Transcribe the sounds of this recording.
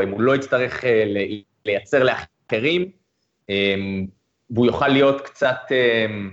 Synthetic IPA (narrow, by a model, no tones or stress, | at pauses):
imulo̞it͡st̪aʁe̞χele | le̞jat͡se̞ʁleaχ | e̞ʁim | em | vujoχalːijo̞t̪kt͡sat̪em